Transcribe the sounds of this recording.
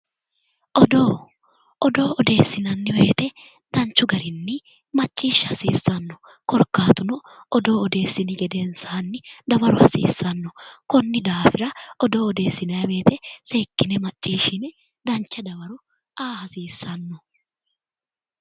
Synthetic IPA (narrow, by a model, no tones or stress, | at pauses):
ʔɔd̪oː | ʔɔd̪o̞ːʔɔd̪e̞ːsːɪnɐnːɪwe̞ːt̪ɛ | d̪̥ɐnt͡ʃːʊɡɐɾɪnːɪ | mɐt͡ʃʼːiːʃːɐhɐsḭːsːɐnːɔ | kɔɾkːaːt̪ʊnɔ | ɔd̪o̞ːɔd̪e̞ːsːɪnɪɡɛd̪ensaːnːɪd̪ɐbɐɾʊhɐ̰sḭːsːɐnːɔkɔnːɪd̪aːfɪɾɐɔd̪o̞ːɔd̪e̞ːsːɪnɐjɐwe̞ːt̪ɛseːkʼːɪnɛmɐt͡ʃʼːiːʃɪnɛ | d̪ɐnt͡ʃːɐd̪ɐbɐɾʊ | aːhɐsiːsːɐnːɔ